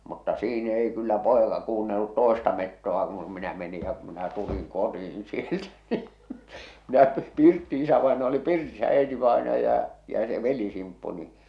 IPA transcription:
mutːɑ siːn ei kylːæ poˑekɑ kuːnːelːut toˑestɑ metːoɑ kun minæ meni jɑ ku minæ tuliŋ kotiin sieltæ ni minæ pirtːi isæʋɑenɑjɑ oli oli pirtisæ æitiʋɑenɑjɑ jɑ se ʋelisimpːu ni

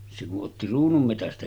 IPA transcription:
se kuʔ ʔotːi ruːnumːetæstæ

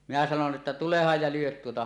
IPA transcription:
minæ sɑnon ʔetːæ tulehɑj jɑ lyøt tuotɑ

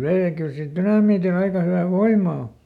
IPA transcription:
ʋei jɑ kyl sil tynɑmiːtil ɑikɑ hyʋæ ʋoimˑɑ o

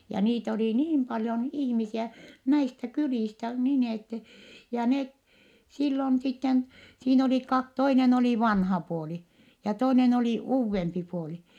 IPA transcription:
jɑ niːt oliˑ niːm pɑljon ihmisiæ næistæ kyliˑstæ nin etːe jɑ net silːon sitːen siːn oliˑ kɑ toinen oliˑ ʋɑnhɑ puoli jɑ toinen oliˑ uːʋːempi puoli

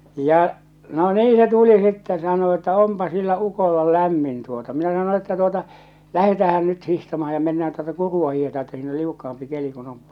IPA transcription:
jɑ no niː se tuli sitːen sɑno etːæ ompɑ silːæ ukolːɑ læmːin tuotɑ minæ sɑno etːæ tuotɑ læhetæːhæn nyt hihtɑmɑhɑ̥ jɑ menːæːn tuotɑ kuruɑ hiːhetɑː etːæ siːn ol liukːɑɑmpi keli kun on

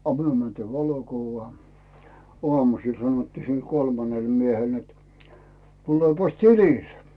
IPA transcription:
ɑ myø mæntiː ʋɑlokuʋːɑː oɑmusiːl sɑnŏtːiː sil kolmɑnel miehel net tulepɑs tilile̥

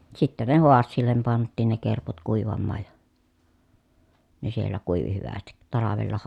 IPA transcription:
sitːæ ne hoɑsːiːlːem pɑntˑiːn ne kerput kuˑiʋɑmːɑːj jɑ ne sielːæ kuˑiʋi hyʋæstit tɑlɑʋelːɑ

